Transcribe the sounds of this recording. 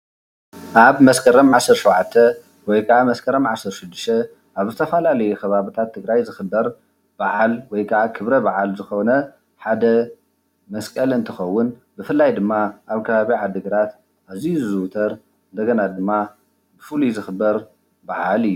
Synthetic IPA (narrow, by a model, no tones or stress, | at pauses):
ʔaβmɐskʰɐɾɐmʕasːɨɾʃɐwʕat̪ʰːɐ | wɔjkʰɐʕamɐskʰɐɾɐmʕasɨɾʃɨd̪ːɨʃt̪ʰɐ | ʔaβzɨt̪ʰɐfɐlalɐjukʰɐβaβɨt̪ʰat̪ʰːɨɡɾajzɨxɨbːɐɾ | b̥aʕalwɔjkʰɐʕakʰɨβɾɐbaʕalzɨxonɐ | ħad̪ɐ | mɐskʼɐlɨnt̪ʰɨxɐwːʊnbɨfɨlːajd̪ɨmːaʔaβkʰɐβaβiʕad̪ɨɡɐɾat̪ | aβzijuzɨwʊt̪ʰɐɾ | ɨnd̪ɐɡɐnad̪ɨmːa | bɨfɨluzɨxɨbːɐɾ | baʕalɨjːu